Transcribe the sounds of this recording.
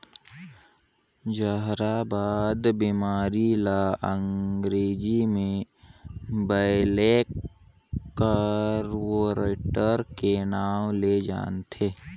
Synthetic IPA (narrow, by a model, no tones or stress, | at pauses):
d͡ʒəɦɾabaːd̪biːmaːɾilaə̃ŋɡɾeːd͡ʒimẽ | bəɪlek | əɾwoɾeʈəɾkenaːwled͡ʒa̰ːnt̪ʰeː